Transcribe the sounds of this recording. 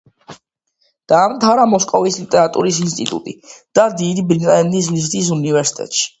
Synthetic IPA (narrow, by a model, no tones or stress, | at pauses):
d̪̥aːmt̪ʰaɾamɔskʼɔvislit̪ʼɛɾat̪ʼṵɾisinst̪ʼit̪ʼṵt̪ʼḭd̪̥ad̪id̪ibɾit̪ʼlɛnd̪is̬mizd̪is̬univɛɾsi̥t̪ʼɛ̰t̪ʼʃi̥